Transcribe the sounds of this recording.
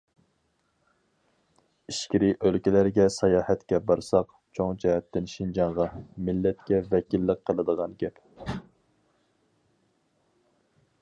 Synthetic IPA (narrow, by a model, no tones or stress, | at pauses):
iʃkʲiɾiʔølkʲilæɾɡʲɛsɑjɑːhɛt̪kʲɛbɑɾsɑq | t͡ʃʰoŋd͡ʒɛɦɛt̪ːɪnʃind͡ʒɑɴʁɑmɪlːɛt̪kʲɛvɛkʲilːəqqʰːəlˠɨd̪əʁɑnɡʲɛp